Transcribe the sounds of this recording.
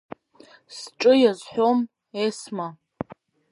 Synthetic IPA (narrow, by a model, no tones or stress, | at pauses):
sʈ͡ʂʼɨjazħʷᶣom | esma